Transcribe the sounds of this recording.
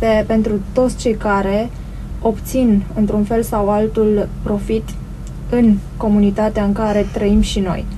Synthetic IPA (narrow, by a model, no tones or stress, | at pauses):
epe̞nt̪ɾut̪ot̪sʲt͡ʃe̞jkaɾe̞ | o̞pt̪sinɨnt̪ɾunfe̞lsawalt̪ulpɾo̞fit̪ | ɨnko̞munit̪at̪eaɨŋkaɾe̞t̪ɾəimʃino̞̰j